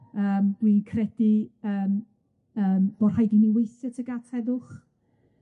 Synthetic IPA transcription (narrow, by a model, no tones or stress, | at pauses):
əːmdwinkʰrɛd̥iəːm | əːmb̥ɔr̥hajdiniwejθjatʰəɡatʰɛðʊχ